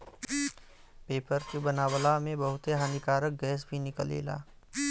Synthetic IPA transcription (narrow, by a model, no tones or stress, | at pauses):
peːpəɾt͡ʃibənaːwəlamẽbɐɦʊt̪eɦaːnikaːɾək̚ɡɛːs̬bʱinɪkəlḛːla̰ː